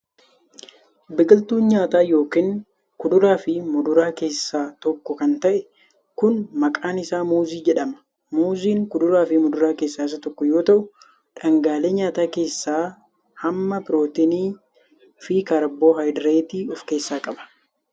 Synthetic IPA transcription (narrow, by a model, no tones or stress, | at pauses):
bɪɡɪlt̪uːnɲaːt̪aːjo̞ːkiːŋ | kʊd̪ʊɾaːfɪmʊd̪ʊɾaːke̞ːsːaːt̪ɔkːɔkɐnt̪ɐʔɛ | kʊnmɐkʼaːnɪsaːmuːziːd͡ʒɛᶑɐmɐ̥ | muːziːŋkʊd̪ʊɾaːfɪmʊd̪ʊɾaːke̞ːsːaːɪsɐt̪ɔkːɔjo̞ːt̪ɐʔʊ | ᶑɐŋɡaːleːɲaːt̪aːke̞ːsːaː | hɐmːɐpɪɾo̞ːt̪ɪniː | fiːkɐɾboːɦɐjd̪ɾeːt̪iːɔfke̞ːsːaːkʼɐbɐ̥